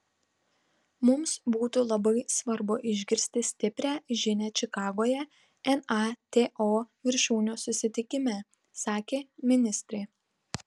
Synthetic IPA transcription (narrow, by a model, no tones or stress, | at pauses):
mʊmsbuːt̪uːlˠɐbɐɪsʋɐɾbʊʔɪʒʲɡʲɪɾʲsʲt̪ʲɪsʲt̪ʲɪpʲɾʲæːʒʲɪnʲæːt͡ʃʲɪkɑːɡoːjɛ | ɛnɑt̪ʲeːʔoːʋʲɪɾʲʃuːnʲoːsʊsʲɪt̪ʲɪkʲɪmʲæː | sɑːkʲeːmʲɪnʲɪsʲt̪ʲɾʲɛɪ